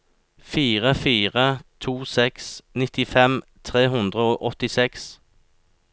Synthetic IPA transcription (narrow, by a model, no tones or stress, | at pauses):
fiːʁəfiːʁət̪ʰuːsɛksnɪt̪ɪfɛmt̪ʰʁeːɦʉnd̪ʁəoːʔɔt̪ɪsɛks